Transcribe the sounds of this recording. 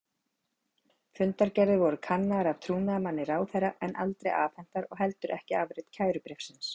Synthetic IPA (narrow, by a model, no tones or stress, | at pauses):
fʏnt̪aɾcɛɾðɪɾvɔɾʏkʰanːaaɾav̥t̪ʰɾuːnaːmanːɪraːwθeɾaʔɛnʔalt̪ɾeja̰ːfɛn̥t̪aɾɔɣɦɛlt̪ʏɾʔɛhcɪavɾɪt̪cʰaːjɾʏpɾefsɪns